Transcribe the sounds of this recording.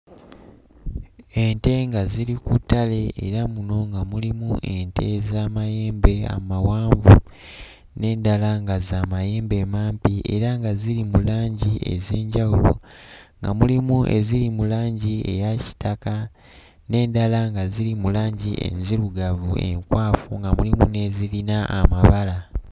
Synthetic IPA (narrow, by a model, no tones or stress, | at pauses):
e̞nte̞ŋɡazilikutːale̞ḛɾamuno̞ŋɡamulimuʔe̞nte̞̰zaːmaje̞ːmbe̞a̰mawaːɱvṵ | ne̞ːndalaŋɡazaːmaje̞ːmbe̞maːmpiʔḛɾaŋɡaziɾimulaːɲɟie̞̰zeːɲɟawulo̞̰ŋɡa̰mulimuʔe̞̰zilimulaːɲɟie̞̰jaci̥taka | ne̞ːndalaŋɡazilimulaːɲɟiḛnziluɡavṵe̞̰ŋkwaːfuŋɡamulimune̞zilinaʔa̰maβala